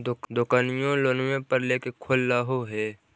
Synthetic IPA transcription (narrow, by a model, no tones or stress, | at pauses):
d̪ʊkd̪ʊkaːnɪjõloːnwẽpəɾleːkekʰolːaːɦoɦɛː